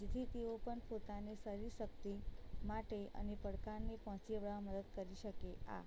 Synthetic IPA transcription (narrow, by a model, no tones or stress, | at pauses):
d͡ʒet̪ʰit̪eopəɳpot̪anesəɾisək̚t̪imaʈeə̰nepəɽkaɾnepəɦɔ̃t͡ʃeʋɭaməd̪əd̪̚kəɾiʃəkea̰